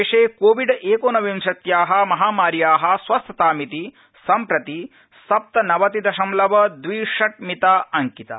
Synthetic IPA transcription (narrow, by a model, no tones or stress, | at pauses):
eːʂeːkoːʋiɖʔeːkoːnɐʋimʃɐt̪jaːɦɐ̆mɐɦaːmaːɾjaːɦɐ̆sʋɐst̪ʰɐt̪aːmit̪i | sɐmpɾɐt̪i | sɐp̚t̪ɐnɐʋɐt̪id̪ɐʃɐmlɐʋɐd̪ʋiːʂɐʈ̚mit̪aːɐŋkit̪ɐ̰